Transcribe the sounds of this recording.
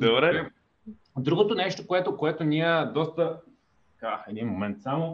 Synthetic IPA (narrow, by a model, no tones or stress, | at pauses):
d̪obɾɛɾɛ | d̪ɾuɡot̪onɛʃt̪okoɛt̪okoɛt̪onʲiəd̪ɔst̪ə | t̪ɐkaɛd̪inmomɛnt̪samo